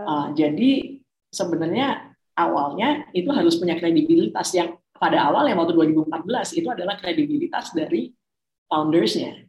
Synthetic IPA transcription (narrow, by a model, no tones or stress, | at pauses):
ʔəd͡ʒadi | səbənarɲa | ʔawa̰lɲait̪uɦaɾʊspuɲakɾedibilit̪asjaŋ | padaːwaljaŋwat̪uduaɾibuəmpat̪̚bəlasit̪uadalahkɾedibilit̪a̰sdaɾi | fawndərsɲa